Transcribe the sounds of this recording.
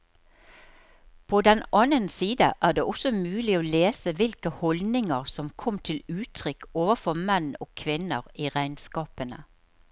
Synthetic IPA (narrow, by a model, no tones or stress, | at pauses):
pʰoːd̪ɛnɑnənsiːd̪ə̰ʔæːd̪eːʔɔsɔmʉːlɪoːleːsəʋɪlkəhɔld̪nɪŋəʁsɔmkʰɔmt̪ʰɪlʉːt̪ʰʁʏkːoːʋəfɔmɛno̰ːkʰʋɪnəʁiːʁæɪnskɑːpənə